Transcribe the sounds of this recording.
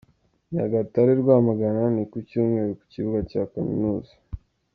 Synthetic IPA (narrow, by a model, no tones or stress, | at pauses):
ɲa̰ɡataɾiɾɡwaːmaɡananikucuːmŋeɾeku̥ciβuɡacakamḭnuːzḁ